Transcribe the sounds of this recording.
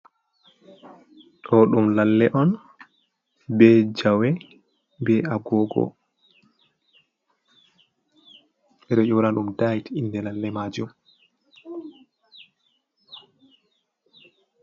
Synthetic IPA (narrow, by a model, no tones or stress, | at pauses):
ɗɔɗumlalːɛʔɔn | bɛd͡ʒawɛ | bɛaɡɔɡɔ̰ | ɛɾɛʔɔwnaɗumdajtindɛlalːɛmad͡ʒum